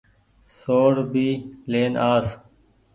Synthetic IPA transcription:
soːɽbiːleːnʔaːs

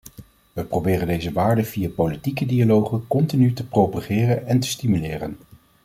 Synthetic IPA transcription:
ʋəprowbɪːrəndejzəʋaːɹdəv̥ijapolitikədialowχəkɔntinytəpropaχɪːrənɛntə̥stimylɪːrə̰n

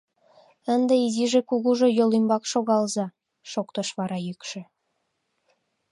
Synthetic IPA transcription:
ənd̪eiziʒekuɣuʒojolimbɑkʃoɣɑlzɑ | ʃokt̪əʃβɑɾɑjykʃĕ

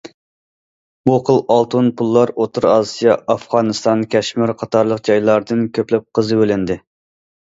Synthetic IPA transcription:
buqʰəlˠɑlˠt̪ʰunpʰulˠːɑɾot̪ʰuɾɑsijɑɑfʁɑnɨst̪ɑnkʲʰɛʃmɪɾqʰɑt̪ʰɑɾlˠəqd͡ʒɑjlˠɑɾd̪ɨnkʲʰøplɛp̚qʰəzɨølɪnd̪ɪ

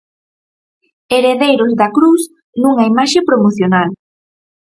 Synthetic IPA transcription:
eɾeðejɾozðakɾuθ | nuŋaimaʃepɾomoθjonal

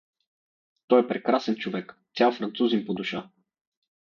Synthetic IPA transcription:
t̪ɔjɛpɾɛkɾasɛnt͡ʃovɛkt̪sʲalˠfɾɐnt̪suzimpod̪uʃa

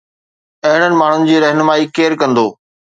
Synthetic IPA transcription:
ɐɦɪɽ̃ənɪ̆maːɳ̤ʊnɪ̆d͡ʑiːɾɐɦnəmaːiːkeːɾkɐ̃nd̪oː

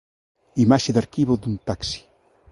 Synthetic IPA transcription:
imaʃeðaɾkiβoðunt̪aksi̥

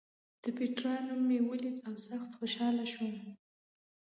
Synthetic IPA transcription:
d̪̥əpeʈɾɑnomewəlit͡sawsaxt̪xoʃɑlaʃum

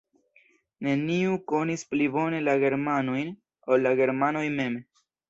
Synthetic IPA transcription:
ne̞niuko̞nisplibo̞ne̞laɡe̞ɾmanojn | olːaɡe̞ɾmano̞jme̞m

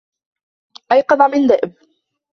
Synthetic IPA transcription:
ʔajqɑd̪ˤɑʕmɪnd̪aʔɪb̚

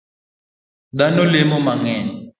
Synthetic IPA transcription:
danɔlemɔmaŋɛːɲɛ

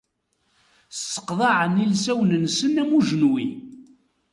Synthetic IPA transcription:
sə̥qðˤɑʕənilsæwnənsənæmuʒənwḭ

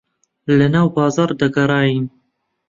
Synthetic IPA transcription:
lənɑːwbɑːzɑːɾd̪ɐɡɐɾˤɑːjiːn

